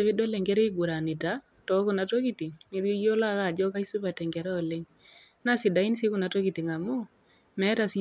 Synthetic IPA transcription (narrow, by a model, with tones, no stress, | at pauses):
e˨βɪ˦do˦lɛ˨ŋɡɛ˦ɾɛ˦ɡu˨ɾa˨nɪ˨ta˨˦ | tɔ˨˦kʊ˨na˨to˦ki˨ti˨ŋni˦ɾo˦jo˦la˦ka˨d͡ʒɔ˦ka˦i˦su˦ba˨tɛ˨ŋɡɛ˨ɾɛ˦ɔ˨le˦ŋ | na˦sɪ˨da˨i˦nsi˦ku˦na˨to˦ki˨ti˨ŋa˨mu˦ | mɛ˦ta˨si˦